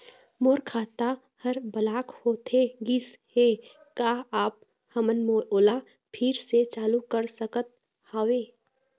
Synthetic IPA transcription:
moːɾkʰaːt̪a | həɾbəlaːkhoːt̪eɡɪsheː | kaːaːp̚ | həmənmooːla | pʰɪɾset͡ʃaːlukəɾsəkət̪̚ | haːweː

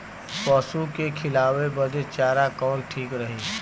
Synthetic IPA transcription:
pɔːsukekʰɪlaːwebəd̪et͡ʃaːɾakɔːnʈʰiːkɾəɦiː

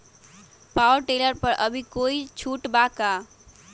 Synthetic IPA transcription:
pawəɾʈeləɾpəɾʔəbʱikoit͡ʃʰuʈbaka

